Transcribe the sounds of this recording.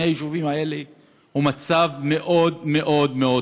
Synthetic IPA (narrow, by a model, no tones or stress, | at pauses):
eajiʃuvimaele | humat͡savme̞ʔo̞d̪me̞ʔo̞d̪meo